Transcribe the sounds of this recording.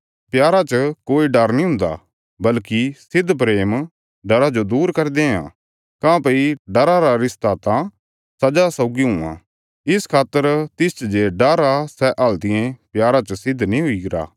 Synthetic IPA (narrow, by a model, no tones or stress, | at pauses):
pjaːɾat͡ʃəkoːiɖɐɾnĩɦʊ̃nd̪a̰ | bɐlkisɪd̪ʱpɾeːm | ɖɐɾad͡ʒod̪uːɾkɐɾd̪eɦã̰ | kãːpeiɖɐɾaɾaɾɪst̪aːt̪ã | sɐd͡ʒasɐʊɡiɦʊ̃ã̰ | ɪskʰaːt̪ːəɾt̪ɪst͡ʃd͡ʒeɖɐɾasɛʔɐlt̪ɪẽpjaːɾat͡ʃəsɪd̪ʱnĩɦʊiɡɪɾa̰ː